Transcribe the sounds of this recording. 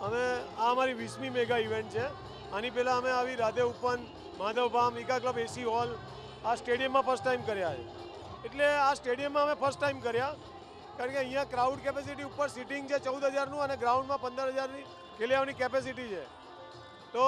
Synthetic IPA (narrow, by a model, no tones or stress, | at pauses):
əmeaəmaɾiʋismimeɡaiʋẽɳʈ̚t͡ʃʰe | anipɛlãəmeaʋiɾad̪eupən | mad̪əʋbʱamɪkakləbesiɦɔl | asʈeɽijəmːãpʰəɾsʈːaimkəɾjaḛ | eʈleasʈeɽijəmːãəmẽpʰəɾsʈʈːaimkəɾja | kaɾə̃ɳkeə̃ɦĩjãkɾauɖkɛpes̬iʈ̬iupːəɾsiʈɪ̃ŋɡt͡ʃʰet͡ʃəud̪ɦəd͡ʒaɾnũəneɡɾaũɳɖmãpə̃nd̪əɾɦəd͡ʒaɾni | kʰeljaʋnikɛpes̬iʈ̬it͡ʃʰe | t̪o